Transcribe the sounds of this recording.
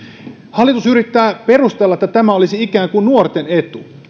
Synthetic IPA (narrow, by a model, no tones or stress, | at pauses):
hɑlːˑit̪usyɾit̪ːæːpe̞rust̪elːɑet̪ːæt̪æmæolisiikæːŋkunnuort̪ene̞t̪u